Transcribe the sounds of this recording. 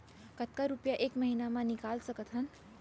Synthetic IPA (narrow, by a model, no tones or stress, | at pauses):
kət̪̚kaɾupjaʔekməɦinamãnikalsəkət̪ʰɦən